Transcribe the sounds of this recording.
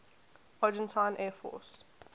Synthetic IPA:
ad͡ʒɛ̃ntʰãɪ̃nʔɛːfɔ̰ːs

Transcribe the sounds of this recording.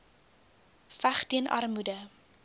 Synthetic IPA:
fæχtiənʔɐ̰rmudə

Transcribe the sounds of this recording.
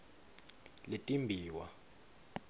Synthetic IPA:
letʼimbʱiːwa̰

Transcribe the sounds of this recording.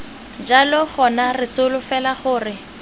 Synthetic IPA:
d͡ʒalɔχɔnarɪsʊlʊfɛlaχʊːrɪ

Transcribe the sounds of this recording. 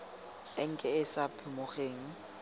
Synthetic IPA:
ɪŋ̩kʼɛɪsapʰɪmʊχeːŋ̩

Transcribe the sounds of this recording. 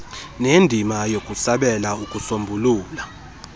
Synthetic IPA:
nendʱimajokʼusaɓɛlaukʼusombʱuluːla

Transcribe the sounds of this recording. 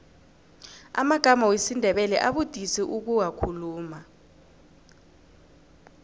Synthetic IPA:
a̰maɡ̥ʱamawesindʱɛɓɛlɛʔaɓud̥ʱisiʔuk̬uwakʰuluːma

